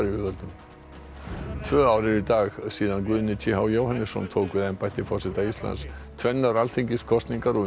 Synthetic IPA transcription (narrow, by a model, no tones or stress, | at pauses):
ɾiʏvœlt̪ʏm | t̪ʰvœːawɾɪɾit̪aːxsiːðankvʏðnɪt͡ɕʰiɦawjoːwhanːɪsːɔ̰nt̪ʰoːwkvɪðajnpajht̪ɪfɔr̥sɛt̪aist̪la̰ns | t̪ʰvɛnːaɾalθiɲcɪskʰɔst̪niŋkaɾɔ